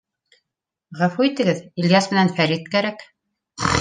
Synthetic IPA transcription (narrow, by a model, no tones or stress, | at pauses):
ʁæfuit̪ɘ̆ɡɘðilʲjasmɘ̆nænfæɾit̪̚kæɾæk